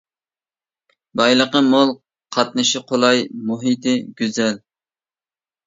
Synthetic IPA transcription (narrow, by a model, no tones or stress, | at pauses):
bɑjlˠəqəmolˠ | qʰɑt̪̚nɨʃiqʰolˠɑjmoɦit̪ɪɡʲyzɛl